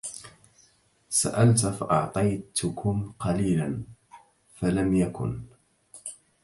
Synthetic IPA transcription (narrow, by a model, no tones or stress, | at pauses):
sa̰ʔalt̪faʔɑʕt̪ˤɑjt̪ʊkʰʊmqɑliːlan | falamjakʊ̰n